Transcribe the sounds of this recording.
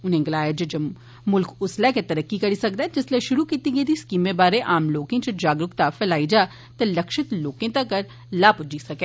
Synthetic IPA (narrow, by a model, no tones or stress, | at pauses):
ʊnɦẽɡɪlaːjed͡ʒɐd͡ʒɐb | mʊlkʰʊslɛːket̪ɐɾəkːikɐɽisɐk̚d̪ɛːd͡ʒɪslɛʃʊɾukiːt̪iɡeːd̪iskiːmẽbaːɾeʔaːmloːkẽt͡ʃəd͡ʒaːɡɾʊkt̪afɛlaːid͡ʒaː | t̪elɐkʃɪt̪loːkẽt̪ɐkːɐɾ | laːpʊd͡ʒisɐkɛː